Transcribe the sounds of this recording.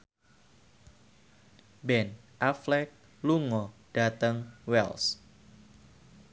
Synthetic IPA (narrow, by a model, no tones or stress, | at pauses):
bɛn | ʔaflɛk̚ | luŋɔd̥at̪əŋwɛ̰ls